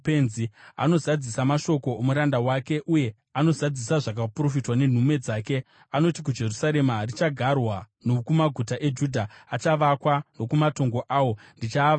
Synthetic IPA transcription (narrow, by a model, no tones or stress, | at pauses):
penzia̰no̞zad͡zisamaʃo̞ko̞ːmuɾandawake̞ʔuje̞ | ano̞zad͡zisaʐak̬apuro̞fitwane̞n̤umwe̞d͡zaːke̞ | ano̞tik̬ud͡ʒe̞rusaɾe̞marit͡ʃaɡʱarwa | nokumaɡʱutaʔe̞d͡ʒudʱaːt͡ʃaʋakwano̞kumato̞ŋɡo̞ʔaːwo̞ndit͡ʃaːa